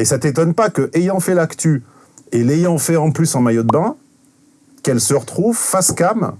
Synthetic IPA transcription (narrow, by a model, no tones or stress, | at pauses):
esat̪et̪ɔnpakəʔejɑ̃fɛlakt̪y | elejɑ̃fɛɑ̃plysɑ̃majod̪̚bɛ̃ | kɛlsəʁət̪χuvfaskam